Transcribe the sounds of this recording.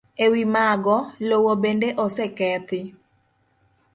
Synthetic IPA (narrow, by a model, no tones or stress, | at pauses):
ewimaɡɔlowobendeʔɔsɛkɛt̪ɪ